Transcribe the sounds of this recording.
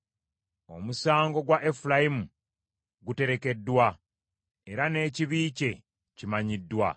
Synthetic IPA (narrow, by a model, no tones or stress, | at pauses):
o̞̰musaːŋɡo̞ɡwaʔefulajimu | ɡute̞ɾe̞ke̞dːwa | e̞ɾane̞ːciβiːce̞ | cimaɲidːwa̰